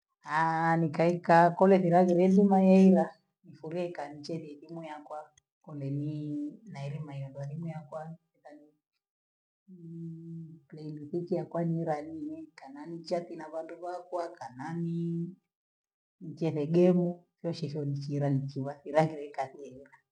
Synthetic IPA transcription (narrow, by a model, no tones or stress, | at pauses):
anikaikakɔlɛθiɾaɣiɾɛndimajɛiɾa | nifuɾiɛkanit͡ʃɛθɛθimujakwa | kɔlɛninaɛɾɛmajɔndwanimujakwaɛtani | plailuθikijakwaniɾaninɛkananit͡ʃatinaβanduβakwakanani | nit͡ʃɛθɛɡɛmusiɔʃɛʃɔnit͡ʃiːɾanit͡ʃiβaθiɾaɣiɾɛkaθiɛiɾa